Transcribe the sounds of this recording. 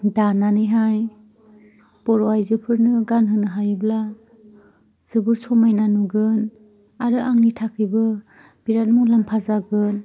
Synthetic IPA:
dananɯjɦaj | pɔɾɔajzɯpʰɯɾnɯɡanɦɯnɯɦajbla | z̥ɯbɯɾsʰɔmajnanuɡɯn | aɾɯʔaŋnitʰakʰɯjbɯ | b̥iɾat̚muŋlampʰazaɡɯn

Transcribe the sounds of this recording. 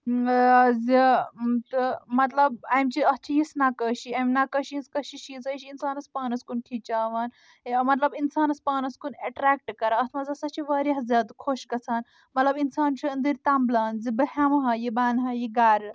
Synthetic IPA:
zit̪ɨmɐt̪lɐbɐjmt͡ʃiɐst͡ʃʰijisnakəːʃiɐjmnakɐʃiinskɐʃiʃizɐjʃiinsaːnɐspaːnɐskunkʰit͡ʃaːʋaːn | mɐt̪lɐbinsaːnɐspaːnɐskuneʈɾaːk̚ʈkɐɾaɐt̪ʰmɐzɐsɐt͡ʃʰiʋɐːɾiɦɐzʲaːd̪kʰoʃɡɐt͡sʰaːn | mɐt̪lɐbinsaːnt͡ʃʰɐɐnd̪iɾt̪amblaːnzibɐɦʲamɦɐjibaːnɦɐjiɡaːɾ

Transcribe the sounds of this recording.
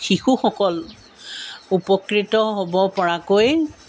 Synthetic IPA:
xixuxɔkɔl | upɔkɹitɔɦobɔpɔɹakoj

